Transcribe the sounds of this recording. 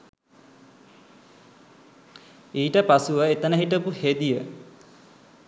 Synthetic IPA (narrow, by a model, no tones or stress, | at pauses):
iːʈəpasuəet̪ənəɦiʈəpuhed̪ijə